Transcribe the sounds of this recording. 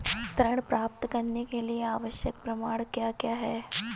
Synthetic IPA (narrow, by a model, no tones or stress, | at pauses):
t̪ɾəɽ̃pɾaːp̚t̪kɐɾnekelieaːʋəʃjək̚pɾɐmaːɽ̃kjaːkjaːɦɛː